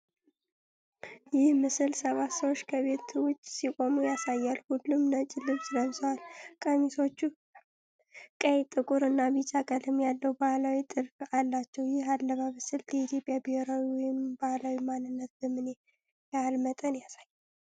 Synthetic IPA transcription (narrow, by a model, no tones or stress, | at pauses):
jɪhmɨsɨlsəβat̪səwot͡ʃːkʰəβe̞t̪wʊt͡ʃːsikʼo̞mujasajːalhulːumnət͡ʃʼɪlɨβsɨləβsəwalkʼəmiso̞t͡ʃːu | kʼəjt̪ʼɨkʼuɾɨnːaβit͡ʃʼakʼəlɨmjalːəwbahlawit̪ʼɨɾfalːat͡ʃːɛwjɪhalːəβamɨsɨld̪əit̪ʰjo̞pʼjabeheɾawiwɔjɪmbahlawimanːɨnːət̪̚bəmɨne | jalmət̪ʼənjasajːal